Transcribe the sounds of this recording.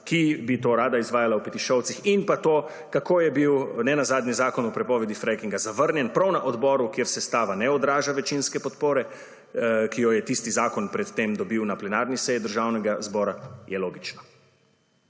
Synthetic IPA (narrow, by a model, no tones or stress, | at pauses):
kibit̪oːɾaːd̪aizʋaːjalawpɛt̪iʃɔwt̪sixinpat̪oː | kakoːjɛbiwnɛnazaːd̪nizaːkɔnɔpɾɛpɔːʋɛd̪ifɾɛjkiŋɡazaʋəɾnjɛnpɾawnaʔɔd̪bɔːɾukjeɾsɛst̪aːʋanɛɔd̪ɾaːʒaʋɛt͡ʃinskɛpɔt̪poːɾɛ | kijɔjɛt̪ist̪izaːkɔnpɾɛt̪t̪ːeːmd̪ɔbiwnaplɛnaɾnisɛjid̪əɾʒaːwnɛɡazbɔːɾajɛloːɡit͡ʃnɔ